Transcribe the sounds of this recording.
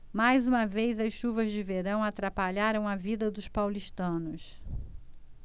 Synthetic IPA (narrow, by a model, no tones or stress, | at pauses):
majzũmɐvejzɐsʃuvɐzd͡ʒɪveɾɐ̃w̃at̪ɾapaʎaɾɐ̃w̃ɐvid̪ɐd̪ʊspawliʃt̪ɐ̃nʊs